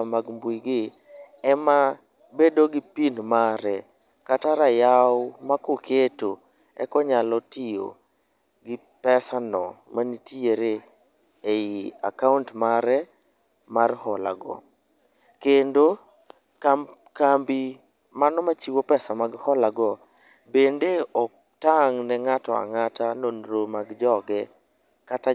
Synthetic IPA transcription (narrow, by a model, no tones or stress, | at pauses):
maɡmbujɡɪ | ɛma | bedoɡɪpinmaɾɛ | kataɾajawmakʊkʰeto | ɛ̰kɔɲalɔtɪjo̰ | ɡɪ | pɛsanɔ̰manitieɾe | eia̰kauntmaɾɛ | marhɔla̰ɡɔ̰ | kendo | ka | kambi | manɔmat͡ʃiwopɛsamaɡhɔlaɡɔ | bendeɔk | taŋnɛŋatɔa̰ŋatanonɾomaɡd͡ʒɔɡɛ | kata